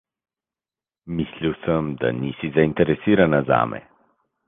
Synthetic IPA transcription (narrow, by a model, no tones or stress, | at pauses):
misliwsəmd̪a̰nisizaint̪ɛɾɛsiɾanaza̰ːmɛ̰